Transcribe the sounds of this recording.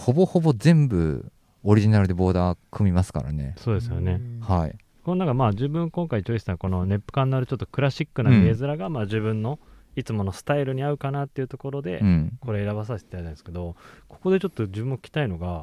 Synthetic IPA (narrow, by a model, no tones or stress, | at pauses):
ho̞bo̞hobo̞zẽ̞mbɯ̟̰ | oɾʲiʑinaɾɯd̪e̞bo̞ːd̪aːkʰɯ̟mʲimasɨ̥ka̰ɾa̰ne̞̰so̞ːd̪e̞sɨjo̞̰ne̞haḭ | ko̞nonakamaːd͡ʑɨːbɯ̟̃ŋkõ̞ŋkait͡ɕoːisãŋko̞no̞ne̞pːɯ̟̥kãnːoaɾɯ̟t͡ɕo̞t̪ːokɯ̟ɾaɕikːɯ̟naɡe̞ːzɨɾaɡamaːd͡ʑɨβɯ̟̃nːo̞ | it͡sɨmo̞nosɨ̥t̪aiɾɯ̟ɲ̟iaɯ̟kanat̪ːe̞iɯ̟t̪o̞ko̞ɾo̞d̪ẽ̞ko̞ɾeːɾaβas̬aɕi̥t̪eait̪ãnesked̪o̞ko̞̥ko̞d̪e̞t͡ɕo̞t̪ːo̞d͡ʑɨbɯ̟̃mːokʲi̥kʲi̥t̪aino̞ɡa